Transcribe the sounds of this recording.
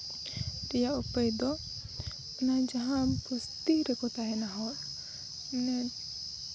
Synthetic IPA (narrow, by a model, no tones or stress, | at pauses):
ɾijaupəjd̪ɔ | nad͡ʒaɦãpust̪iɾɛkɔt̪aɦɛnaɦɔ | nɛ